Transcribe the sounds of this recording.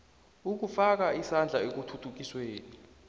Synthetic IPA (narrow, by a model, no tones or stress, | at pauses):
uk̬ufak̬aisand͡ɮʱaek̬utʰutʰuk̬isweːni